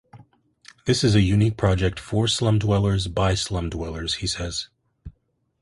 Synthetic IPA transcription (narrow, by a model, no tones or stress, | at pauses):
ðɪsɨzɨjʉnik̚pʰɹ̥ɑd͡ʒɛk̚tfə˞slʌ̃mdwɛlˠə˞zbaɪslʌ̃mdwɛlˠə˞z̥hisɛz̥